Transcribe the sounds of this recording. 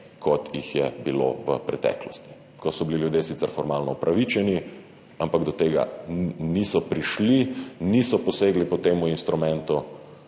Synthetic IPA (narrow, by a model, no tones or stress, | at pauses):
kʰɔt̪jixjɛbilo̰ʋə̰pɾɛt̪ɛ̰ːklɔst̪i̥ | kɔsɔbililjud̪jesit̪sɛɾfɔɾmaːlnɔupɾʔaʋit͡ʃɛni | ampaɡd̪ɔt̪eːɡa̰nisɔpɾiʃlinisɔpɔseːɡlipɔt̪eːmuinst̪ɾumɛ̃nt̪u